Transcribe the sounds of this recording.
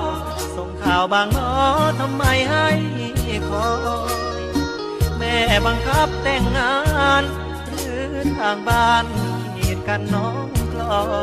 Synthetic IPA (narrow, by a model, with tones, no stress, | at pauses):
so˨˧˩ŋkʰaː˨˩wbaː˧˩ŋlɔː˧˩t̪ʰa˧mːa˧˩jɦa˧˥˩j | kʰɔː˨˧˦ | mɛː˧˩baː˧ŋkʰa˦˥p̚t̪ɛː˧˩ŋːaː˧˦n | ɾɯː˨˦ | t̪ʰaː˨˧˩ŋbaː˧˩n | heː˨˩t̪̚ka˧nːɔː˦˧˥ŋklɔː˧˩